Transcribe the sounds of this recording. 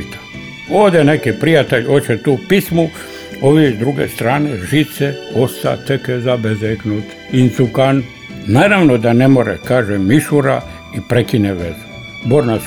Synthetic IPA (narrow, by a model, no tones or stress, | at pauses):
t̪ḁ | oːʋd̪enekipɾijat̪eʎoːt͡ʃet̪uːpismu | oʋid̪ɾuɡḛst̪ɾaːneʒit̪seost̪a̰t̪ekezabezeknut̪ | insukan | naːɾaʋnod̪anemoɾḛkaːʒemiʃuɾa | ipɾekineʋḛzu | boɾnas